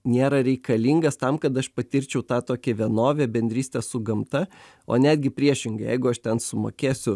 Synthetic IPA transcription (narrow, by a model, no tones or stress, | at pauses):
nʲeːɾɐɾʲɛɪkɐlʲiːŋɡɐst̪ɐmkɐt̪ɐʃpɐt̪ʲɪɾʲt͡ʃʲɛʊt̪ɑːt̪oːkʲɛʋʲiɛnoːʋʲeːbʲɛnʲd̪ʲɾʲiːsʲt̪ʲɛssʊɡɐmt̪ɐ | o̰ːnʲæːd̪ʲɡʲɪpʲɾʲiɛʃʲɪŋɡɐjɛ̰ɪɡʊɐʃt̪ʲɛnsʊmoːkʲeːsʲʊ